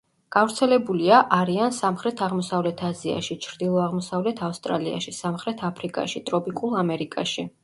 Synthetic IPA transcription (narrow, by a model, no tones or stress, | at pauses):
ɡ̥avɾt̪sʰɛlɛbuliaʔaɾiansamχɾɛt̪ʰaʁmɔsavlɛt̪ʰazia̰ʃit͡ʃʰɾd̪ilˠɔaʁmɔsavlɛt̪ʰafst̪ʼɾalia̰ʃisamχɾɛt̪ʰapʰɾikʼa̰ʃit̪ʼɾɔpʼikʼulˠamɛɾikʼa̰ʃi